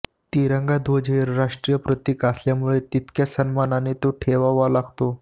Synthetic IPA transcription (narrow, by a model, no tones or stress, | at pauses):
t̪iɾəŋɡad̪ʱʋod͡ʑʱeɾɾaʂʈɾijəpɾət̪ikasljamuɭet̪it̪kjasənmananet̪oʈʰeʋaʋalaɡʱt̪o